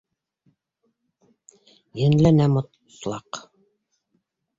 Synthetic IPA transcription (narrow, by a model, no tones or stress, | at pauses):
jɘ̆nlænæmŏt̪ | slˠɑ̰q